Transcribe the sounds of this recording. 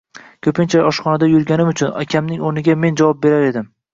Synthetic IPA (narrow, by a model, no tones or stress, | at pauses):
kʲʰɵpɪnt͡ʃʰaɒʃχɒnad̪ajʊɾɡʲanɪmʊt͡ʃʰʊna̰kʲʰamnɪŋoɾnɪɡʲame̞nd͡ʒavɒp̚be̞ɾaɾe̞d̪ɪm